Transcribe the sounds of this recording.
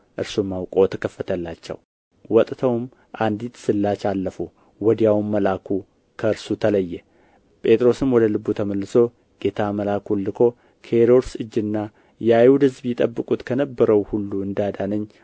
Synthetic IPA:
ʔɨɾsomːawkʼo̞t̪ʰəkʰəfːət̪ʰəlːat͡ʃːɛ̰w | wɔt̪ʼt̪ʰəwm | ʔand̪it̪sɨlːat͡ʃalːəfu | wɔd̪jawmːəlakʰu | kʰəɨɾsut̪ʰələjːɛ | pʼe̞t̪ʼɾo̞sɨmwɔd̪əlɨbːut̪ʰəməlːɨso̞ | ɡ̥et̪ʰaməlakʰulːɨkʰo̞ | kʰəeɾo̞ɾsɨd͡ʒːnːa | jɛajhud̪hɨzbjɪt̪ʼəbːɨkʼut̪kʰənəbːəɾəwhulːuɨnd̪ad̪anəɲː

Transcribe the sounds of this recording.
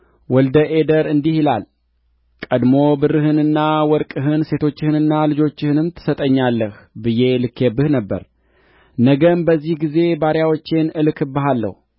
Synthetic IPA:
wɔld̪əʔe̞d̪əɾɨnd̪ihɪla̰l | kʼəd̪mo̞bɨrɨɦɨnɨnːawɔɾkʼɨɦɨnse̞t̪ʰo̞t͡ʃːɪhɨnɨnːalɨd͡ʒo̞t͡ʃːɪhɨnɨmt̪ʰɨ̥sət̪ʼəɲːalːəhbɨje̞lɨkʰːebɨhnəbːə̰ɾ | nəɡəmbəzːihɡize̞baɾjawot͡ʃːenɨlkʰɨbːɨɦalːə̰hu

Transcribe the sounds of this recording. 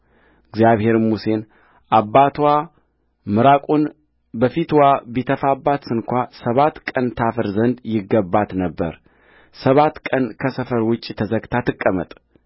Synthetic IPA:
ɨɡzjaβhe̞ɾmuse̞n | ʔabːat̪ʰwa | mɨɾakʷʼun | bəfit̪wabit̪ʰəfabːat̪sɨnkʷasəβat̪kʼənt̪ʰafɨɾzənd̪jɪɡːəbːat̪nəbːə̰ɾ | səβat̪ːkʼənkʰəsəfəɾwʊt͡ʃʼːit̪ʰəzəɡt̪ʰat̪ʰɨkʼːəmə̰t̪ʼ

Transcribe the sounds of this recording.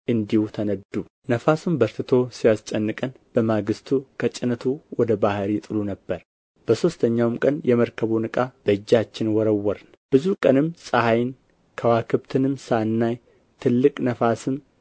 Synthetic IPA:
ʔɨnd̪ihut̪ʰənəd̪u | nəfasumbəɾt̪ɨt̪ʰo̞sijast͡ʃʼɛnːɨkʼən | b̥əmaɡɨst̪ʰukʰət͡ʃʼɪnət̪ʰuwɔd̪əbahɾit̪ʼɨlunəbːəɾ | b̥əso̞st̪ʰəɲːawmkʼənjɛməɾkʰəβonɨkʼab̥əɨd͡ʒːat͡ʃːɪnwɔɾəwːɔɾn | b̥ɨzukʼənɨmsʼahajn | kʰəwakʰɨbt̪ʰɨnɨmsanːaj | t̪ʰɨlːɨkʼnəfasɨm

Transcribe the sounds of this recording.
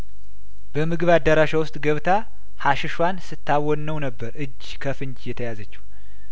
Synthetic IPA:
b̥əmɨɡɨβad̪ːəɾaʃawʊst̪ʼɡəβt̪ʰa | haʃɪʃwansɨt̪ʰːawɔnːəwnəbːəɾɨd͡ʒːkʰəfɨɲd͡ʒjɛt̪ʰəjazət͡ʃːɛ̥h

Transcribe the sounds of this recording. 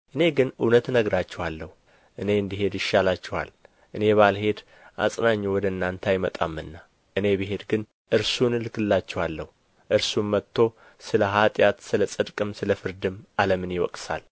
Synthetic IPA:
ʔɨne̞ɡɨnɨnət̪nəɡɾat͡ʃːɛhwalːəhu | ʔɨne̞ɨnd̪iɦe̞d̪jɪʃːalat͡ʃːɛwa̰l | ʔɨne̞βalhe̞d̪ | ʔa̰sʼnaɲːɛwɔd̪ənːant̪ʰajmət̪ʼa̰mːɨnːa | ʔɨne̞biɦe̞d̪ɡɨn | ʔɨɾsunɨlɨkɨlːat͡ʃːɛhwalːəhu | ʔɨɾsunmət̪ːo̞ | sɨləɦat̪ʼjat̪sɨləsʼɨd̪kʼɨmsɨləfɨɾd̪ɨmaləmɨnjɪwɔ̰kʼsa̰l

